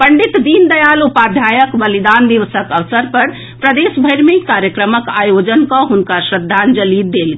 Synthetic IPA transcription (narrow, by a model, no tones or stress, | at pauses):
pəɳɖit̪d̪ind̪əjalupad̪ʱjajəkbəlid̪and̪iʋəsəkəʋsəɾpəɾ | pɾəd̪esbʱəjɾmekaɾjəkɾəməkajod͡ʒənkɔ̃ɦunkasɾəd̪ʱːand͡ʒəlid̪ːelɡe